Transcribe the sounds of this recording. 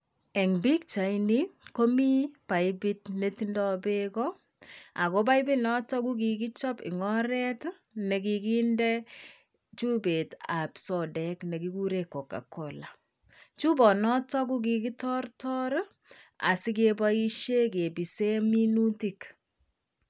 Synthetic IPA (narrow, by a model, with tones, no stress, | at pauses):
ɛ˨ŋbi˦k̚t͡ʃa˨iniko˦mi˦pa˨jbi˦tne˦ti˦ndɔ˦be˦kɔ˦ | a̰˨ko˦b̬a˦ibi˦nɔ˦tɔ˦k̬u˦k̬i˨k̬i˦t͡ʃɔ˦pɪ̰˨ŋɔ˦ɾɛ˦t | ne˨ki˧ki˦ndɛ˦ | t͡ʃu˦be˨ta˨psɔ˨dɛkne˨ki˦ku˦ɾe˦kːɔ˨ka̰˨kɔla | t͡ʃu˦bɔ˨nɔ˦tɔ˦k̬u˦k̬i˨ki˦tɔ˦rtɔ˦ɾ | a̰˨si˦k̬e˦ba˦i˦ʃe˦ke˨bi˨se˦mi˦nu˦ti˦k